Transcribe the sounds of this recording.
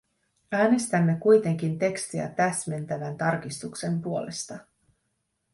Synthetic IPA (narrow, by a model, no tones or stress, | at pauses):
æːne̞st̪æmːe̞kujt̪e̞ŋk̟int̪e̞kst̪iæ̰t̪æsme̞nt̪æʋænt̪ɑrk̟ist̪ukse̞mpuo̞le̞st̪ɑ